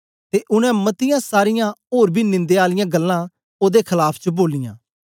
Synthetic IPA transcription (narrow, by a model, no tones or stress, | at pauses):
t̪eʔʊɽ̃ɛ̃mɐt̪ɪjãsaːɾɪjãoːɾbʱinɪ̃nd̪eaːlɪjãɡɐlːã | oːd̪ekʰɐlaːpʰt͡ʃəboːlɪjã̰ː